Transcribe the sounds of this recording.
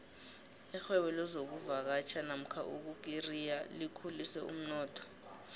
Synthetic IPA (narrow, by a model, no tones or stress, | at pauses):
ixwɛɓɛlɔzok̬uvak̬at͡ʃʰanam̩kʰa̰ʔuk̬uk̬irijalikʰulisɛṵm̩nɔːtʰɔ̥